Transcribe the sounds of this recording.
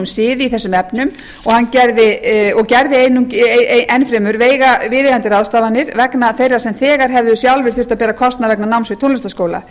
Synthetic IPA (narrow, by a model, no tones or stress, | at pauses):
msɪːvɪiθɛsːʏmɛpnʏm | ɔɣhanːcɛɾðɪɔɣcɛɾðɪeːjnːʏcʔɛnfɾɛːmʏɾveːjɣavɪðɪɣant̪ɪɾaðst̪aːvanːɪɾvɛknaθejrːasɛmθɛːɣaɾɦɛvðʏsjawlvɪ̥θʏ̥t̪apɛːɾakʰɔst̪navɛknanawnsvɪt̪ʰonlɛst̪askoːwla̰